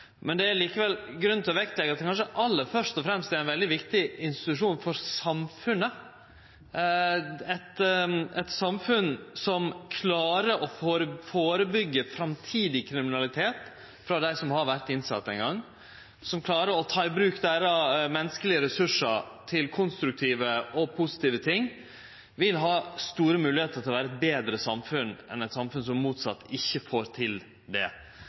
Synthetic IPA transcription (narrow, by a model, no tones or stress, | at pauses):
mɛnd̪ɛæɾliːkəʋɛlɡɾʉnt̪ʰɔʋɛk̚t̪lɛɡɑt̪̚ɛkʰɑnʂəʔɑlːəfœʂt̪ɔfɾɛmst̪ɛæɾæɪnʋɛld̪ɪʋɪkt̪ɪɪnst̪ɪtɪt̪ʉʂuːnfɔɾsɑmfʉnːə | ɛt̪ɛt̪sɑmfʉnsɔmkʰlɑːɾəʔɔfoːɾəfoːɾəbʏɡːəfɾɑmt̪ʰiːd̪ɪkʰɾɪmɪnɑlɪt̪ʰeːt̪ | fɾɑd̪æɪsɔmhɑɾʋæɾt̪ɪnsɑt̪ːɛŋɡɑŋː | sɔmkʰlɑːɾəɾɔt̪ʰɑːɪbɾʉːkd̪æɪɾɑmɛnːəskəlɪəɾɛsʉʂəɾt̪ʰɪlkʰʊnst̪ɾʉk̚t̪ʰiːʋəɔpʰʊsɪ̥t̪iːʋət̪ʰɪŋː | ʋɪlɦɑːst̪uːɾəmʉːlɪheːt̪əɾt̪ʰɪlʋæːɾəɛt̪̚beːd̪ɾəsɑmfʉnɛ̰nɛɪt̪sɑmfʉns̬ɔmːuːt̪sɑt̪ːɪçːəfoːɾt̪ʰɪl | d̪ɛ̰